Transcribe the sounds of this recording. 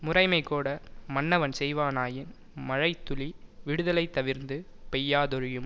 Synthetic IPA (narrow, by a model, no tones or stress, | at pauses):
mʊrɐɪmɐɪkːoːɽɐmɐnːɐʋɐnsɛjʋaːnaːjɪn | mɐɻɐɪt̪ːʊliʋɪɽɯðɐlɐɪt̪ːɐʋɪɾnd̪ɯ | pɛjːaːðɔɾɪjɯm